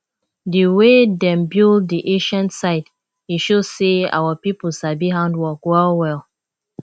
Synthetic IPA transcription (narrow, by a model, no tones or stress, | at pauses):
dəwedɛ̃mbilˠd̚diʔẽʃãnsaɪt | iʃo̥sea̰wəpipl̩sabiɦãndwɔkwɛlwɛlˠ